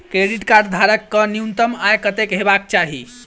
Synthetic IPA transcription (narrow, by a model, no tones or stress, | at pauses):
kɾeɖiʈkaɾɖd̪ʱaɾəkːəniunt̪əmajkət̪ekɦebak̚t͡ʃaɦḭ